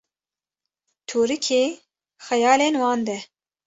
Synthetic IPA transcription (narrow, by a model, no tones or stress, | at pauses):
t̪ʰuːɾɨkʰeː | xɛjɑːleːnwɑːnd̪ɛ